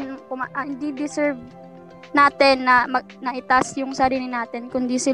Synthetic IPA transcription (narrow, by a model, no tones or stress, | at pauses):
nkʊmaʔɐɪnd̪id̪ɪsɛɹv | naːt̪ɪnːɐmɐ | nɐʔɪt̪asjʊŋsɐɾiːlɪnaːt̪ɪnkʊnd̪isɪ